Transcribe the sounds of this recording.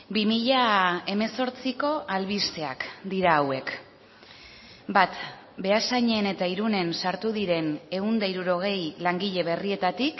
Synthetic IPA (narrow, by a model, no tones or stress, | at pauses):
bimiʎae̞me̞so̞ɾt͡siko̞ʔalβist̪e̞a̰kd̪iɾaːwe̞k | bat̪ | be̞asajɲe̞ne̞t̪aiɾune̞nsaɾt̪uðiɾe̞ne̞und̪aiɾuɾo̞ɣ̞e̞jlaŋɡiʎe̞β̞e̞rie̞t̪at̪ik